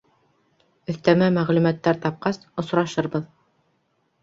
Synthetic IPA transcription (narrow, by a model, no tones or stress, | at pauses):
ɵ̆θt̪æmæmæʁlʉmæt̪ːæɾt̪ɑp̚qɑsŏsɾɑʃɤɾbɤð